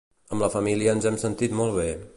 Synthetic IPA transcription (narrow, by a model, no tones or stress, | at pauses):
əmləfəmiliəːnzɛmsənt̪it̪mɔlˠβ̞e